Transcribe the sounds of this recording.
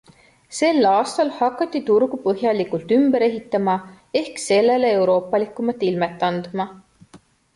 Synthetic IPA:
se̞lːɑːst̪ɑlhɑkːˑɑt̪ˑːit̪uɾɡ̥upɤɦjɑlikult̪ymbeɾe̞ɦit̪ˑːɑmɑ | e̞hkse̞lːe̞leewɾo̞ːpːˑɑlikːˑumɑt̪ːˑilmet̪ːˑɑnd̪̥mɑ

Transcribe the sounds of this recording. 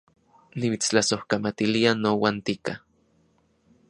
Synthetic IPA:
nimit͡st͡ɬasohkamat̪ilianowaːnt̪ika

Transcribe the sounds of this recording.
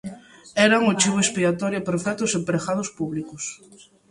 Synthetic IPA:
ɛɾaŋot͡ʃiβoespiat̪ɔɾjopeɾfɛt̪ʊsempɾexaðʊspuβlikʊs

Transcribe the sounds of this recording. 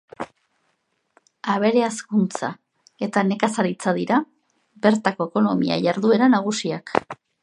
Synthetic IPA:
aβ̞e̞ɾe̞askunt͡sa̰ | e̞t̪ane̞kasaɾit͡saðiɾa | be̞ɾt̪ako̞eko̞no̞mḭa̰ʝaɾðue̞ɾanaɣ̞usiak

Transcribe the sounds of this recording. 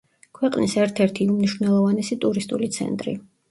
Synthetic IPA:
kʰwɛqʼnisɛɾt̪ʰɛɾt̪ʰiumniʃvnɛlˠɔvanɛsit̪ʼuɾist̪ʼulit̪sʰɛ̰nt̪ʼɾḭ

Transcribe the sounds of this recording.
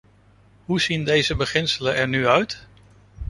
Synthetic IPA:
ɦuz̥indejzəbəχɪnsələnɛɹnyœɥt

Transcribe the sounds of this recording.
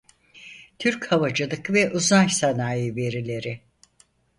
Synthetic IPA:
t̪ʰyɾchavad͡ʒɯlˠɯkvɛʔuzaʃsanaːjɯve̞ɾilʲe̞ɾɪ

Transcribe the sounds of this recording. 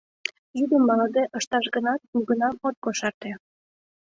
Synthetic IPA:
jyd̪əmːɑləd̪eʔəʃt̪ɑʃɣənɑt̪̚uɣənɑmot̪̚ɡoʃɑrt̪ĕ

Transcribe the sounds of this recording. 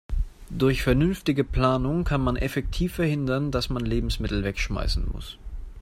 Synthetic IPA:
d̥ʊɐçfɛɐnʏnftɪɡəpl̥aːnʊŋkʰanmanʔɛfɛktʰiːfːɛɐhɪndɐndasmanleːbm̩smɪtl̩vɛkʃma̰ɪsn̩mʊ̰s

